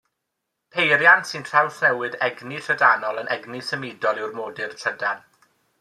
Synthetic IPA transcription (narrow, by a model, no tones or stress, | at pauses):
pʰejrjantsɨntʰrawsnɛwɨðɛɡnirʰədanɔlˠənɛɡnisəmɪːdɔlˠɪwrmoːdɨrtʰədan